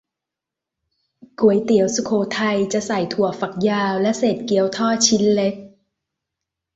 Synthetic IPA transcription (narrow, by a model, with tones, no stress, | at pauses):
ku˨˩˦əjt̪i˨˩˦əwsu˧kʰoː˧˩t̪ʰa˧jt͡ɕa˨˩ʔsa˨˩jt̪ʰu˨˩əfa˨˩k̚jaː˧wlɛ˦˥ʔseː˨˩t̪̚ki˧˩˨əwt̪ʰɔː˥˩t͡ɕʰi˦˥nle˦˥k̚